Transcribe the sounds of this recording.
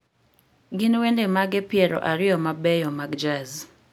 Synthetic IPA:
ɡɪnwendemaɡɛpɪɛɾɔ̰ʔaɾɪjɔmabɛjɔmaɡd͡ʒaz

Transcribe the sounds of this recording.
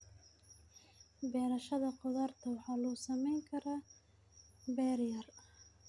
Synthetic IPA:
bɛːɾɐʃɐðɐqʊðart̪ʰɐwɑħɑːlɔsɐmɛjŋkʰɐɾaː | bɛːɾjɐr

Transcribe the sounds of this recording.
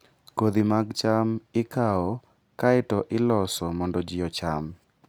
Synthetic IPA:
kod̪imaɡt͡ʃamɪkaɔ | kaɪtɔʔɪlɔsɔmɔndɔd͡ʒɪɔt͡ʃam

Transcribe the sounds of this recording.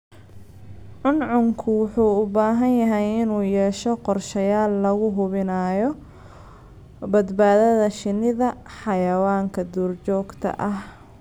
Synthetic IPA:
ʕʊnʕʊŋkʰʊwʊħuːʊbaːɦɐnjɐɦɛjɪnuːjɛːʃɔqɔrʃɐjaːlːɐɣʊɦʊβɪnaːjɔ | bɐd̪baːðɐðɐʃɪnɪðɐħɑjɐwaːŋkʰɐd̪uːrt͡ʃɔːɡt̪ʰɐ̰ʔɐh

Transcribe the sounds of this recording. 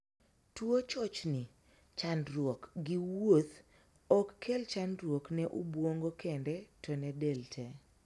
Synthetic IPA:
twot͡ʃɔt͡ʃnɪ | t͡ʃandɾwokɡɪwot̪ | ɔkːʰelt͡ʃandɾwoknɛʔubwoŋɡokʰendɛtɔnɛdɛltʰɛ

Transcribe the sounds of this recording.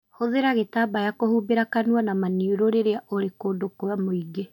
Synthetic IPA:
hoðeɾaɣetaːbajakohuːbeɾakanuwanamaniuɾoɾeɾeaʔoɾekoːdokoamoiɡe

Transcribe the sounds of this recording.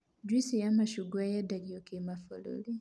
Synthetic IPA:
d͡ʒwisijamaʃuɡwajadaɡijokemafo̰lo̰li

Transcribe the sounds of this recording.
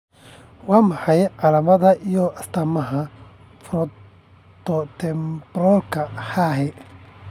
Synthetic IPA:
wɑːmɑħɑjʕɑlɐmɐðɐʔijɔʔɐst̪ʰɐmɐɦɐ | fɾɔ | t̪ɔt̪ʰɛmbɾɔlkʰɐħaːɦɛ

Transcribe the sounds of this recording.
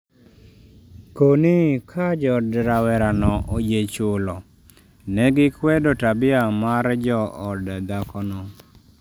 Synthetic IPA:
konɪkʰad͡ʒɔdɾawɛɾanɔʔod͡ʒet͡ʃʊlɔ | nɛɡɪkwɛdɔtabɪamaɾd͡ʒɔɔdɛd̪akɔnɔ

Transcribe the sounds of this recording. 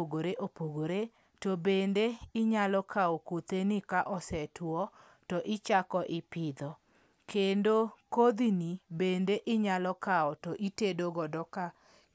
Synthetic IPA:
oɡoɾeʔopoɡoɾe | tɔbendeɪɲalɔkʰaokot̪enikaʔɔsɛtwɔ | tɔʔɪt͡ʃakɔʔɪpɪd̪ɔ | kʰendokod̪inibendeʔɪɲalɔkaɔtɔʔitedoɡɔdɔka

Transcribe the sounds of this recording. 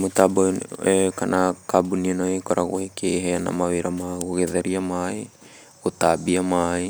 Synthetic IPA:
mutabojekanakabunianoekoɾʔaɣoekʰejɦeana̰mawiɾamaɡoɡeðeɾiamaj | ɡutabiamaj

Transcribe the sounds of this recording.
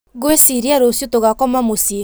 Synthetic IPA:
ɡoesiɾijaɾosjut̪oɡakɔmamusi

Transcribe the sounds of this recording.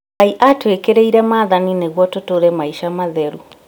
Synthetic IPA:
aiʔatwekeɾɛiɾɛmaːðanineɣwɔtotoɾɛmaiʃamaðɛɾu

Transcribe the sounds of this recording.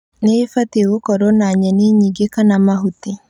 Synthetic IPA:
neifatewokɔɾɔnaɲɛneɲiɡekanamaɦuti

